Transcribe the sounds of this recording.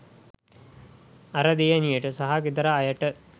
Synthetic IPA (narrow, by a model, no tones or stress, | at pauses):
ɐɾɐd̪ijɐnijɐʈːɨsɐɦakid̪ɐɾɐːjɐʈːɨ